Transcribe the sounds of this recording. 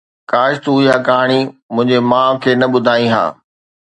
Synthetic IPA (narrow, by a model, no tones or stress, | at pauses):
kaːʃt̪uɦiɦaːkaːɽ̃imʊ̃ɦɪ̃ɲd͡ʑemãːkʰeːnɐɓʊd̪ʱaːĩɦa̰ː